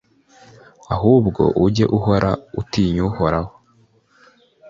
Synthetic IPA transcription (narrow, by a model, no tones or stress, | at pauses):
aɦuːbɡo̞̰ʔuɟe̞̰ʔuho̞ɾʔa̰utiɲuho̞ɾaho̥